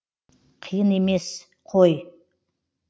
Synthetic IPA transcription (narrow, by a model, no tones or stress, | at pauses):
qʰijɨnemes | qʰoj